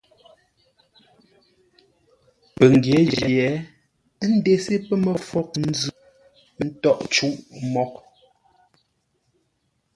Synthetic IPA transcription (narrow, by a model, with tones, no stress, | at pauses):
pə˨ŋ˨ɡje˨˦d͡ʒɛ˨jɛ˨˦ | n̩˦de˨se˦pə˦mə˨fɔ˦k̚n̩˦zʉ˦ | n̩˦tɔ˦˨ʔt͡ʃu˦ʔmɔ˦k̚